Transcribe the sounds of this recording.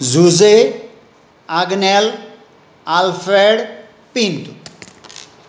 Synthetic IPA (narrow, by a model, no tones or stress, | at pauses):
zuze | aɡnɛl | alfɾeɽ | pint̪u